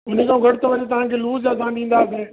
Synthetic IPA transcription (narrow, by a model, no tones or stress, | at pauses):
ʊnẽkʰãũɡʱɐɽɪt̪oʋɐɲet̪ɐʋ̤ãkʰeːluːzd͡ʑaːzãːɗĩːn̆d̪aːseː